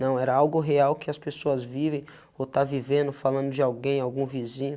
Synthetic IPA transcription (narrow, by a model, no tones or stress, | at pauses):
nɐ̃w̃ɛɾɐawɡʊɦeawkɪɐspesoɐzvivẽj̃ | ot̪avivẽnd̪ʊfalɐ̃nd̪ʊd͡ʒɪawɡẽj̃awɡũvizĩɲʊ